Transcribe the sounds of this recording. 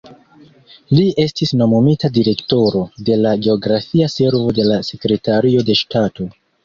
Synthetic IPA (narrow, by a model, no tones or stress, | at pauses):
lie̞stisno̞momitadiɾe̞kto̞ɾo̞de̞laɡe̞o̞ɡɾafiase̞ɾvo̞de̞lase̞kɾe̞taɾio̞de̞ʃtato̞